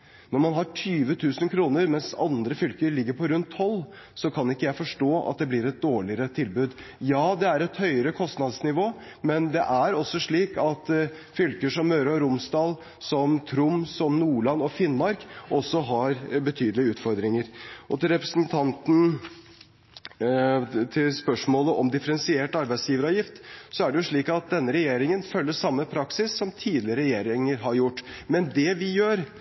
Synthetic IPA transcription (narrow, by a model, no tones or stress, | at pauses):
nɔɾmɑnɦɑʈʰyːʋət̪ʰʉːsənkʰɾuːnəɾmɛnsɑnd̪ɾəfʏlkəɾɭɪɡːəɾpʰɔɾʉnt̪ʰːɔlː | sɔkʰɑnɪkːəjæɪfɔʂʈoːʔɑ̰t̪̚d̪ɛblɪɾɛt̪̚d̪oːɭɪəɾət̪ʰɪlbʉːd̪ | jɑːd̪ɛæɾɛt̪hœʏəɾəkʰɔst̪nɑd̪snɪʋoː | mɛnd̪ɛʔæɾɔsːɔʂɭiːkɑt̪ | fʏlkəʂɔmːœːɾɾʊmsd̪ɑːl | sɔmt̪ʰɾʊmsɔmnuːɭɑnːɔfɪnmɑɾkʔɔsːɔɦɑɾbət̪ʰyːd̪əlɪəʉːt̪fɔɾd̪ɾɪŋəɾʔɔt̪ɪlɾɛpɾəsnt̪ʰɑnt̪n̩ | t̪ʰɪlspœʂmoːləʔɔmd̪ɪfəɾɛnsɪeːʈɑɾbæɪsjiːʋəɾɑːʋjɪft̪sɔæɖɛjʊʂɭiːkɑt̪̚d̪ɛnːəɾɛjeːɾɪŋənfœlːəʂɑmːəpʰɾɑksɪsːɔmt̪ʰiːd̪lɪəɾəɾɛjeːɾɪŋəɾɦɑɾjʊʈːmɛnd̪ɛʋɪjøːɾ